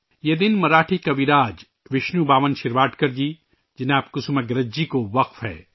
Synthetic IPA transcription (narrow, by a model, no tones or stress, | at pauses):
jeːd̪ɪnmɐɾaːʈʰikaʋiɾaːd͡ʒ | ʋɪʃnubaːʋənʃɪɾʋaːʈkɐɾd͡ʒiː | d͡ʒɪnaːpkʊsumeɡɾɐd͡ʒd͡ʒikoʋɐqfɦɛ̰ː